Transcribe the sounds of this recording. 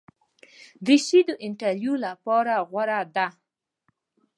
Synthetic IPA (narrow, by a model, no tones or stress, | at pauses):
d̪iʃid̪əʔɪɳʈaɾjulapɑɾaɣwaɾad̪a